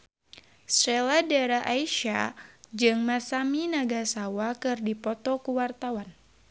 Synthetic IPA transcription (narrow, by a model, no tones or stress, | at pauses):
sɾɛladaɾaʔaiʃa̰d͡ʒɨŋmasaminaɡasawakɨrdipɔt̪ɔkuwart̪awan